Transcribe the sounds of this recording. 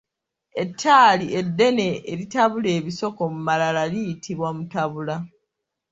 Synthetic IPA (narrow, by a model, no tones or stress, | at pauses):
e̞tʰːaːlie̞dːe̞ne̞ːɾitaβule̞ːβiso̞ko̞mumalalalijitʰiβwamutaβula